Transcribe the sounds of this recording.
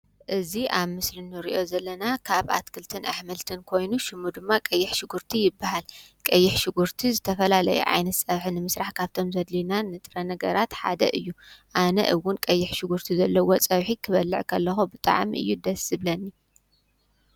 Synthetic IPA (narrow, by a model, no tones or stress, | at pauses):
ʔɨziʔaβmɨslinːɨɾḭʔo̞zɐlːɐnakʰaβa̰t̪kʰɨlt̪ʰɨnʔa̰ħmɐlt̪ʰɨnkʰo̞jnuʃɨmːud̪ɨmːakʼɐjːɪħʃɪɡuɾt̪ʰijɪbːahalkʼɐjːɪħʃɪɡuɾt̪ʰizɨt̪ʰɐfɐlalɐ̰jṵʕa̰jnɐt̪sʼɐβħinɨmɨsɾaħkʰaβt̪ʰo̞mzɐd̪linanːɨt̪ʼɾɐnɐɡɐɾat̪ħa̰d̪ɐ̰ʔɨjːuʔanɐ̰ʔɨwːʊnkʼɐjːɪħʃɪɡuɾt̪ʰizɐlːɐwot͡sʼɐβħikʰɨβɐlːɨʕkʰɐlːɐxubɨt̪ʼa̰ʕmḭʔɨ̰jːud̪ɐsɨβlɐnːi